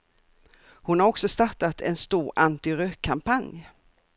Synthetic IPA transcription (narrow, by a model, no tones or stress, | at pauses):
hʊnhaɾɔksɔst̪aʈat̪ʰɛnst̪uːɾʔant̪ɪɾøkʰːampanj